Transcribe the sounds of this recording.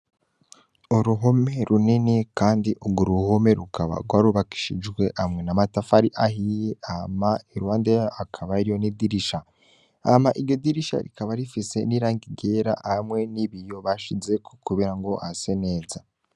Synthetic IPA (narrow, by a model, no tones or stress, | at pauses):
uɾuɦome̞ɾuninikaːndiʔoɡoɾuhome̞ɾukaβa̰ɡwaːɾuβaki̥ʃid͡ʒɡwe̞ʔamŋe̞namatafaɾiʔaɦijeamaiɾuwaːndeakʰaβaiɾijo̞nidiɾiʃa | amaʔiɾjo̞diɾiʃa̰ɾḭkaβaɾifise̞niɾaːŋɡiɡe̞ɾa̰ʔhamŋe̞niβijo̞βaʃizekʰokuβiɾaŋɡo̞asene̞ːza